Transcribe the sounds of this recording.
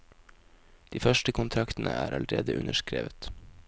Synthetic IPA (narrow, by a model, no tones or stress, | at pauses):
d̪̥iːfœʃʈəkʊnt̪ʰɾɑkt̪n̩ʔəæːɾʔɑləɾeːd̪əʔʉnəʃkɾḛːʋət̪